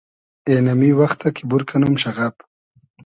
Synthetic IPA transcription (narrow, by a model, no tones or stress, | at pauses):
enamiwaxt̪akibuɾkanumʃaɣap